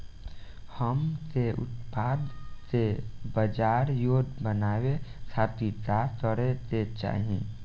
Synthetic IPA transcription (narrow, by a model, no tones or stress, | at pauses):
həmseʊ̰t̪paːd̪sebəd͡ʒaːɾjoːd̪bənaːwesʰaːt̪it̪at̪əɽet̪et͡ʃa̰ːɦiḛ̃